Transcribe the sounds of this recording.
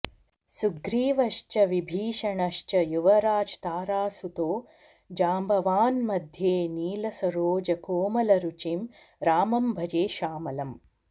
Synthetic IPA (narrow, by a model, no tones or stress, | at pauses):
suɡɾiːʋɐʃt͡ʃɐʋibʱiːʃɐɳɐʃt͡ʃɐjuʋɐɾaːd͡ʒt̪aːɾaːsut̪oː | d͡ʒaːmbɐʋaːnmɐd̪ʱjeːniːlɐsɐɾoːd͡ʒɐkoːmɐlɐɾut͡ʃim | ɾaːmɐmbʱɐd͡ʒeːʃaːmɐlɐm